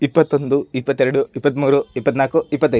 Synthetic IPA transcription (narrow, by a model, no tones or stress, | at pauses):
ipːɐt̪ːo̞nd̪uipːɐt̪ːeɾɐɽuipːɐt̪̬ːmuːɾuipːɐt̪naːkuipːɐt̪̬ːɐ